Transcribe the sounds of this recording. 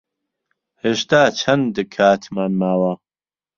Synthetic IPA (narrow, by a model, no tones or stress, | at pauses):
heːʃt̪aːt͡ʃʰɐnd̪ɨkʰaːt̪ʰmaːnmaːwɐ